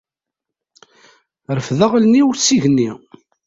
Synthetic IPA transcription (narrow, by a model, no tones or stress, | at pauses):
ɾəfðəʁlnːiwəɾsiʝənːi